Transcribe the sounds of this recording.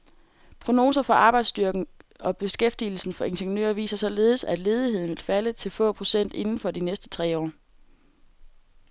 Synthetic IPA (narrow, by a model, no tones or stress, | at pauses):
pʰʁo̝no̝ːsɐfɒ̽ʔɑ̈ːb̥ɑ̈ɪd̥sd̥yɐɡ̥n̩ɒ̽b̥e̝sɡ̥efd̥il̩sn̩fɒ̽e̝nɕeŋnø̰ːɐʋḭːsɐsɒ̽le̝ːð̞̩ˠsæd̥le̝ːð̞ˠiɦe̝ð̞̰ˠn̩ʋe̝lfælət͡sʰe̝lfɔ̰̽pʰʁo̝sen̰d̥e̝nn̩fɒ̽d̥inesd̥ə̥t͡sʰʁɛ̰ːɒ̰ː